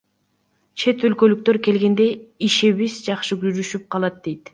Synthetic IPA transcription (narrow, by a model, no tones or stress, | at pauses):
t͡ʃʰe̞t̪ølkø̞lyk̚t̪ø̞ɾke̞lɡe̞nd̪e̞iʃeβizd͡ʒɑqʃɯɡyɾyʃyp̚qʰɑlˠɑt̪̚d̪e̞jt̪